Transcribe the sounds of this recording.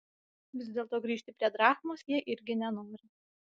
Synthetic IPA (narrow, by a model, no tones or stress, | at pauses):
ʋʲɪzd̪ʲeːlˠt̪oːɡɾʲiːʃʲt̪ʲɪpʲɾʲiɛd̪ɾɑːxmoːsjiɛʔɪɾʲɡʲɪnʲɛnʊːɾʲɪ